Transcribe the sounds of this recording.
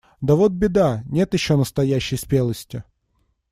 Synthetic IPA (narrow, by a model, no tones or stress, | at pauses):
d̪ɐvot̪̚bʲɪd̪anʲe̞t̪jɪɕːonəst̪ɐjæɕːɪjspʲelˠəsʲtʲɪ